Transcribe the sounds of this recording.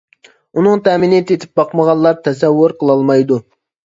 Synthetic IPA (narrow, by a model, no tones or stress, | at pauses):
unɨŋt̪ʰɛminɪt̪ʰet̪ʰɪp̚bɑqməʁɑnlˠlːˠɑɾt̪ʰɛsɛwːʊɾqʰəlˠɑlˠmɑjd̪u